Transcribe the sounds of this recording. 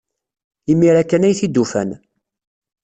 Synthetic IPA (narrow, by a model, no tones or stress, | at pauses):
imːiɾækːænæjθid̪ːufæ̰n